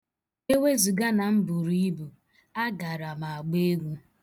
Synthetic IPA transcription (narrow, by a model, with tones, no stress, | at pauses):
e˦we˦zu˨ɡa˦na˨m̩˦bu˨ɾi˦bu˨ | a˦ɡa˨ɾa˨ma˨a˨ɡ͡be˦ɡʷu˦